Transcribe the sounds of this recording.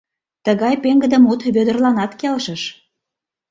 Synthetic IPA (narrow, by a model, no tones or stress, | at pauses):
t̪əɣɑjpeŋɡə̆d̪ə̆mut̪βød̪ə̆rlɑnɑt̪kelʃə̆ʃ